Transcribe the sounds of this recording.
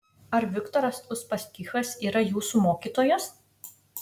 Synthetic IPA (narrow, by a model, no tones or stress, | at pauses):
ɐɾʋʲɪkt̪ɔɾɐsʊspɐsʲk̪ʲiːxɐsiːɾɐjuːsumoːkʲiːt̪oːjos